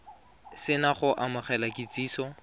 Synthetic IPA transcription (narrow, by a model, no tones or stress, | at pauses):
sɪnaχʊʔamʊχɛlakʼit͡sʼiːsɔ